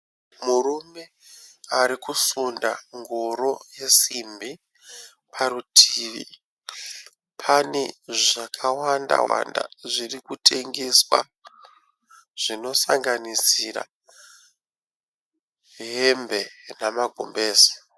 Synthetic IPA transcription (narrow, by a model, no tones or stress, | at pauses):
murume̞ | aɾikusunda̰ŋɡoɾo̞je̞simbi | pʰaɾutʰiːʋḭ | pʰaneʐakʰawanda̰wa̰nda̰ʐirikutʰe̞ŋɡe̞swa | ʐ̥ino̞saŋɡanisiɾa̰ | ɦembe̞namaɡʱo̰mbe̞ːsḁ